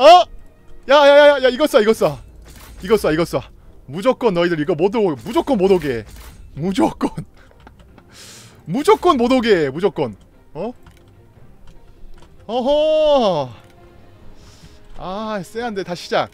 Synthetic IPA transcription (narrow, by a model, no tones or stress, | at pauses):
ʌ | jajajajajaiɡʌs͈aiɡʌs͈aiɡʌs͈aiɡʌs͈a | mud͡ʑʌk͈ʌnːʌidɯɾiɡʌmodomud͡ʑok͈ʌnmodoɡemud͡ʑok͈ʌn | mud͡ʑok͈ʌnmodoɡemud͡ʑok͈ʌn | ʌ | ʌɦʌ | as͈eɦande̞taɕʰid͡ʑak̚